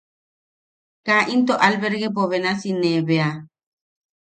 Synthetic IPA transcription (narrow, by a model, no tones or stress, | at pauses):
kaʔint̪oʔalbeɾɡepoβenasinebea